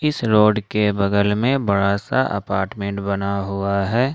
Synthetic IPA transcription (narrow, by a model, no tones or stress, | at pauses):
ɪsɾoːɖkebɐɡəlmẽbɐɽasa̰ʔɐ̰paːɾʈmẽɳʈbɐnaɦʊaɦɛː